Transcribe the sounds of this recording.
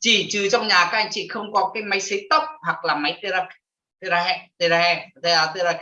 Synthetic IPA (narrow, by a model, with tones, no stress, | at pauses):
t͡ɕi˧˩t͡ɕɨ˨˩˦t͡ɕɔ˧wŋ͡mɲaː˨˩kaː˨˦˥k̚a˧jŋ̟t͡ɕḭ˧˨xə˧wŋ͡mkɔ˨˦kaː˨˦jma˨˦jsi˨˦t̪ə˦˥wk͡p̚hwa˨˩k̚laː˨˩ma˨˦jt̪ə˧zaː˧k | t̪ə˧ɾaː˧˩hɛ˧t̪ə˧˩zaː˧ɛ˧t̪aː˧˩t̪ə˧zaː˧